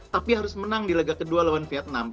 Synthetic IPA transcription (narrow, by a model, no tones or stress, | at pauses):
t̪apiɦaɾʊsmənaŋdilaɡakədualewanfiat̪̚nam